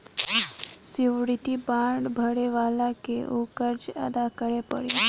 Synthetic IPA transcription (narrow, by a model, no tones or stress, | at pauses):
siʋɽit̪ibãɳɖbʱəɽeʋalakeʔukəɾd͡ʒə̰d̪akəɽepə̰ɽe